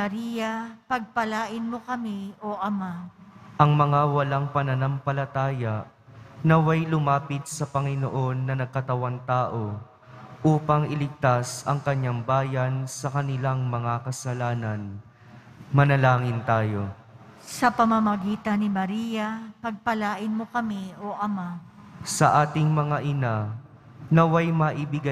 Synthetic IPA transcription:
ɐɾijɐpɐɡ̚pɐlaːʔɪnmokɐmioʔɐmaʔɐŋmɐŋawɐlaŋpɐnɐnɐmpɐlɐt̪aːjɐʔ | nɐwajlʊmaːpɪt̪̚sɐpɐŋɪno̰ʔo̞nːɐnɐɡ̚kɐt̪ɐwant̪aːʔo̞ | ʔuːpɐŋʔɪlɪɡ̚t̪asɐŋkɐɲːaŋbaːjɐnsɐkɐnɪlaŋmɐŋakɐsɐlaːnɐn | mɐnɐlaːŋɪnt̪aːjo̞ | sɐpɐmɐmɐɡiːt̪ɐnɪmɐɾijɐpɐɡ̚pɐlaːʔɪnmokɐmioʔɐmasɐʔaːt̪ɪŋmɐŋaʔɪna | nɐwajmɐʔɪbɪɡa

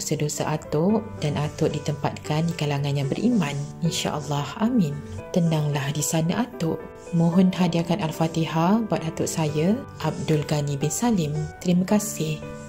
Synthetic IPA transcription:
osədosaʔat̪ʊʔ | d̥anʔat̪ʊʔdit̪əmpat̪̚kandikalaŋãnjaŋbərʔimãninʃa̰ʔəlːɑhamĩnt̪ənaŋlahdisanãʔat̪ʊʔ | mõɦɔnɦadiakanalfat̪iɦabwat̪̚at̪ʊʔsajaʔab̚dʊlɡanibɪnsalɪmt̪əɾimãkasɪh

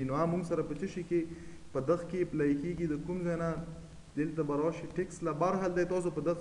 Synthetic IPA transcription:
noamuŋɡsaɾapət͡ʃəʃike | pəd̪əxkeplaikeɡid̪əkumzana | d̪elt̪abaɾawʃiʈekslabaɾɦald̪ajt̪ɑs̬opəd̪əx

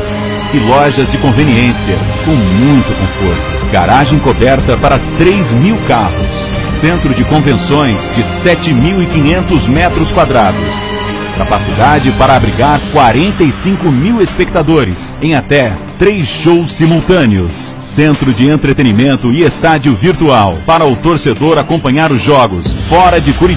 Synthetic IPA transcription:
ɪlɔʒɐzd͡ʒɪkõveniẽsiɐ̰kõw̃mũj̃t̪ʊkõ̰foɾt̪ʊ̥ɡ̥a̰ɾaʒẽj̃kobɛɾt̪ɐpaɾɐt̪ɾejzmiwkaɦʊ̰sː | ẽnt̪ɾʊd͡ʒɪkõvẽsõj̃zd͡ʒɪsɛt͡ʃɪmiwɪkĩɲẽnt̪ʊzmɛt̪ɾʊskwad̪ɾad̪ʊs | kapasid̪ad͡ʒɪpaɾɐːbɾiɡaɾkwaɾẽnt̪ɐisĩŋkʊmiwespek̚t̪ad̪oɾɪ̰s | ẽj̃at̪ɛt̪ɾejsʃowsːimuwt̪ɐ̃nɪʊ̰sː | ẽnt̪ɾʊd͡ʒɪẽnt̪ɾet̪enimẽnt̪ʊɪest̪ad͡ʒiʊviɾt̪uawpaɾɐʊt̪oɾsed̪oɾakõmpɐ̃ɲaɾʊzʒɔɡʊsfɔɾɐd͡ʒɪkuɾi

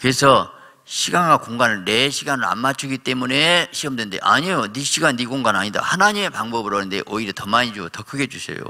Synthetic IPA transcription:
kɯɾe̞sʰʌ | ɕʰiɡanɡakoŋɡanɯɭne̞ɕʰiɡanɯɾa̰nmat͡ɕʰuɡit͈e̞mune̞ɕʰiʌmdwe̞nde̞̰ʔa̰ɲijoniɕʰiɡanːiɡoŋɡanaɲida̰hanaɲime̞paŋbʌbɯɾʌnɯnde̞̰ʔʌiɾjʌtʌmaɲid͡ʑotʌkʰɯɡe̞d͡ʑuɕʰḛjo̰

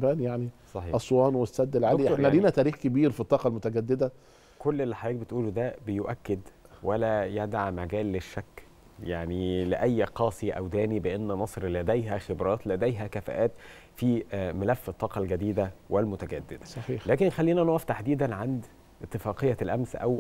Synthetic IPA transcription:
bæːnjaʕnisˤɑħiːʔɑsˤwɑːnwesːæd̪ːelʕainædiːnæt̪æːɾiːxkebiːɾfit̪ˤːɑːqɑlmʊt̪æɡæd̪ːed̪æ | kolːelːiħajæːk̚bet̪ʔuːlud̪æbejoʔækːed̪ | wælæjæd̪aʕmæɡæːlːeʃːækː | jaʕnileʔæjːqɑːsˤiʔæ̰wd̪æːnibeʔenːmɑsˤɾlæd̪æjɦæxebɾˤɑːt̪læd̪æjɦækæfæ̰ʔæːt̪ | fiːmelæfːet̪ˤːɑːqɑlɡæd̪iːd̪æwelmot̪æɡæ̰d̪ːɪd̪æsˤɑħiːħlæːkenxælːiːnænoʔæft̪aħd̪iːd̪ænʕand̪ | ʔet̪ːefɑːqejːælʔæmsʔæ̰w

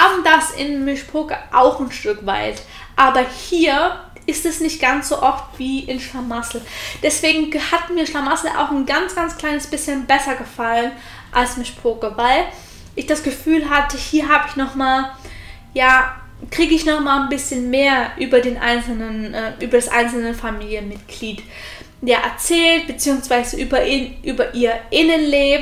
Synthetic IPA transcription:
ʔaːbm̩dasɪ̰nmʏʃpʰoːkəʔaʊxnʃtʏkv̥a̰ɪt | ʔaːbɐhiːɐ | ʔɪstɛsnɪçtɡ̥ansz̥oːʔɔftv̥iːʔɪnʃlamasl̩d̥ɛsv̥eːɡŋ̩hatmiːɐʃlamasl̩ʔa̰ʊxnɡant͡sɡ̥ant͡skl̥aɪnəsb̥ɪsçənbɛsɐɡəfalən | ʔalsmʏʃpʰoːkəvaɪl | ʔɪçd̥asɡ̥əfyːlɦatəhiːɐɦaːbəɪçnɔχmaːl | jaː | kʁ̥iːɡəɪçnɔχmaːlnbɪsçənmeːɐʔyːbɐdeːnʔa̰ɪnsl̩nənʔɛːʔyːbɐdasʔa̰ɪnsl̩nəfamiːljənmɪtɡ̥liːt | jaːʔɛɐt͡sɛːlt̚b̥ət͡siːʊŋsv̥aɪzəʔyːbɐʔinʔyːbɐʔiːɐʔɪnənleːb

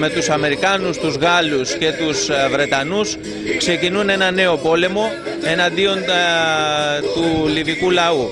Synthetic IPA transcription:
me̞t̪usɐme̞ɾikɐnust̪uzɣɐlusce̞t̪usvɾe̞t̪ɐnus | kse̞cinune̞nɐne̞o̞po̞le̞mo̞ | e̞nɐnd̪io̞n | t̪ulivikulɐu

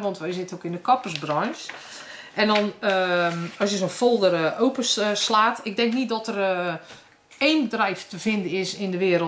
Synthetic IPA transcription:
ʋɔntʋɛjsɪtəokɪndəkɔpəsbrɔns | ʔɛndɔnəɔsjəsonfolˠdərowpəslaːtɪk̚dɛŋknit̚dɔtər | ejnbədrɛjftəv̥ɪndənɪsɪndəʋɪəɾə

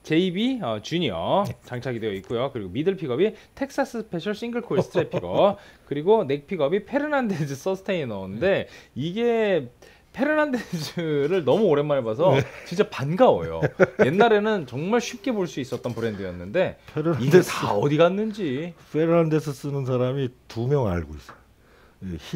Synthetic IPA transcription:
t͡ɕe̞ibiʌt͡ɕuɲiʌ̰t͡ɕaŋt͡ɕʰaɡidwe̞jʌik̚k͈ujokɯɾiɡomidɯɭpʰiɡʌbitʰe̞k̚s͈as͈ʰɯspʰe̞ɕʰʌɭs͈iŋɡɯɭkʰoiɭs͈ʰɯt͡ɕ͈ʰepʰiɡʌkɯɾiɡone̞k̚pʰiɡʌbipʰe̞ɾɯnanded͡ʑʰɯs͈ʌsʰɯ̥tʰeinaonɯnde̞iɡe̞ | pʰe̞ɾɯnanded͡ʑʰɯɾɯɭnʌmuoɾe̞nmːaɾebas̬ʰʌt͡ɕint͡ɕ͈apanɡawo̰jo̰je̞nːaɾe̞nɯnt͡ɕʌŋmaɭɕʰɥip̚k͈e̞boɭs͈uis͈ʌt̚t͈ʌnpɯɾe̞ndɯjʌ̰nːɯnde̞pʰeɾɯnisaodiɡanːɯnd͡ʑipʰeɾɯnandesʰɯs͈ɯnɯns̬ʰaɾamitumjʌŋa̰ɭɡois͈ʌ̥ | je

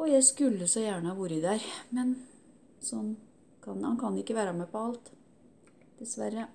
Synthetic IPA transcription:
ɔjæɪskʉlːəsɔjæːɳəhɑːʋuːɾəd̪æɾmɛn | sɔnː | kʰɑnhɑ̰nkʰɑnɪkːəʋæːɾɑmɛpɔɑlt̪ | d̪̥ɛsʋæɾə

